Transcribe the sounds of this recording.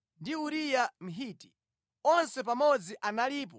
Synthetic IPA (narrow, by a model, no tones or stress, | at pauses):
ndiuɾijam̩ɦiːti̥ | ɔnsɛp̬amɔd͡ziʔanaliːp̬ɔ